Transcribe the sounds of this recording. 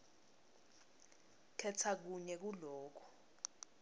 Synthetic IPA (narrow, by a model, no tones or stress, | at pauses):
kʰɛtʰak̬uɲɛk̬ulɔːk̬ʰu̥